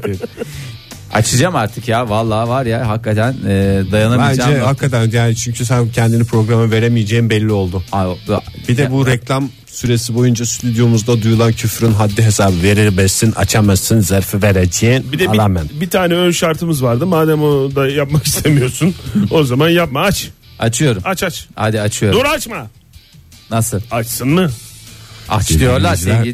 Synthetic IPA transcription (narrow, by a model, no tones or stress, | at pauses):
a̰t͡ʃʰɯd͡ʒamaɾt̪ʰɯkjavalˠːaːvaɾjaɦakːat̪ʰænɛːd̪ajanabænd͡ʒd͡ʒd͡ʒɛhakʰːat̪ʰænjaːnit͡ʃʰyɲcʰys̬æncʰɛnd̪inipʰɾo̞ɡɾamɯve̞ɾemijed͡ʒejimbɛlʲːio̞lˠd̪ʊabid̪ɛbuɾɛclʲam | syɾe̞sibo̞jund͡ʒast̪ʰyd̪jo̞muzd̪ad̪ujulˠancʰyfɾynɦad̪ːiɦe̞saːbɯve̞ɾiɾbɛsina̰t͡ʃʰamasɯnzaɾfɯveɾed͡ʒeːnbid̪ɛlˠamɛnbit̪ʰaːnɛønʃaɾt̪ʰɯmɯzvaɾd̪ɯmaːd̪ɛmod̪ajapmakist̪ʰemijo̞ɾsuno̞zamanjap̚maat͡ʃ | at͡ʃʰɯjo̞ɾumat͡ʃat͡ʃha̰d̪iat͡ʃʰɯjod̪oɾat͡ʃma | nasɯlˠat͡ʃsɯnmɯ | a̰t͡ʃlˠjoɾlˠa